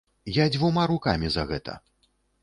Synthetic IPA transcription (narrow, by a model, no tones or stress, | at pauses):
jad͡zʲvumaɾuka̰mʲizɐɣɛt̪ʰɐ̰